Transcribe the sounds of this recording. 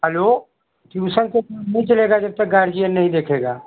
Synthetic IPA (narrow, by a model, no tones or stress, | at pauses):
ɦəloː | t̪iusə̃nt̪onɐɦĩt͡ʃɐleːɡad͡ʒɐb̚t̪ək̚ɡaːɾd͡ʒijənnɐɦĩd̪eːkʰeːɡaː